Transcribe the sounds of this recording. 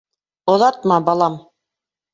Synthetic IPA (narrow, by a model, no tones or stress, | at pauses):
ŏðɑt̪̚mɑbɑlˠɑm